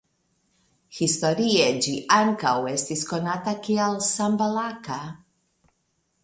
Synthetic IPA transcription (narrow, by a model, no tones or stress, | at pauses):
xist̪oɾied͡ʒiʔaŋkawest̪iskonat̪akialsambalaka